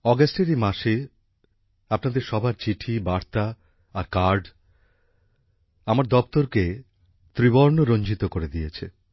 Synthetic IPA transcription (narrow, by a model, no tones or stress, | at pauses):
ɔɡasʈeɾimaʃe | apnad̪eɾʃɔbʱaɾt͡ɕiʈʰibaɾt̪a | aɾkaɾɖ | amaɾd̪ɔpt̪oɾke | t̪ɾiboɾnoɾond͡ʑʱit̪okoɾed̪ijet͡ɕʰe